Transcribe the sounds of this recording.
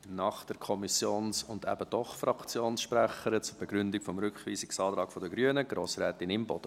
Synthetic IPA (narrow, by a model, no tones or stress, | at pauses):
nɑːχd̥ɛɾkʰɔmisjoːnsʊndæ̰bəd̥ɔχfɾɑkt͡sjoːnsʃpɾæχəɾət͡sʊɾb̥ɛɡɾʏndɪkfɔmɾʏkχʋiːsɪksɑːt̪ɾɑːkfɔdəɡɾyənəɡ̥ɾoːsɾɛːt̪ɪnɪmbɔ̰d̥ə